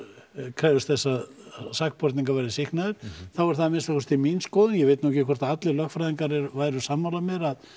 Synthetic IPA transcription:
kʰɾaðʏst̪θɛsːasakpɔɾt̪niŋkavajɾðɪsɪhknaðʏɾ̥θavɔɾ̥θaðmɪnsakʰɔst̪iminskɔːwðʏnjɛvejt̪nuhɛcɪkʰɔr̥t̪aat̪lɪlœxfɾajðiŋkaɾɛɾvaðɾʏsaːmːalamɛɾað

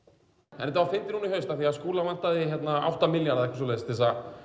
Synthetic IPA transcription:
ɛ̰nːɛt̪avaɾfɪnt̪ɪnuniɦœɥst̪aθiaskuːlavan̥t̪aðɪçjɛt̪naa̰wht̪amɪljaɾðaɛkvɾs̬ɔleðst̪ɛsa

